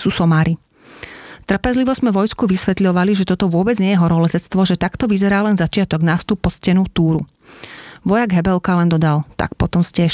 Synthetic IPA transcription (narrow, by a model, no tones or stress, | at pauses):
suːsɔmaːɾi | t̪r̩pɛzliʋɔzmɛʋɔjskuʋisʋɛt̪lʎɔʋaliʒɛt̪ɔt̪ɔʋʊɔbɛd͡zɲɛjɛɦɔɾɔlɛzɛt͡st̪ʋɔʒɛt̪akt̪ɔʋizɛɾaːlɛnzat͡ʃɪat̪ɔɡnaːfst̪upːɔscɛnut̪uːɾṵ | ʋɔjaɡɦɛbɛlkalɛnd̪ɔd̪alt̪a̰k̚pɔt̪ɔmscɛʃ